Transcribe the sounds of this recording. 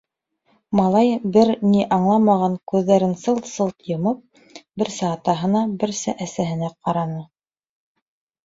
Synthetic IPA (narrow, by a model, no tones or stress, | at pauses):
mɑlˠɑjbɘɾniʔɑɴlˠɑmɑʁɑŋkʉðːæɾɘnsɤlˠsɤlˠt̪jɤ̆mɤp̚ | bɘɾsɘːt̪ɑɦɤ̆nɑbɘ̆ɾsɘʔæsæɦɘ̆næqɑɾɑnɤ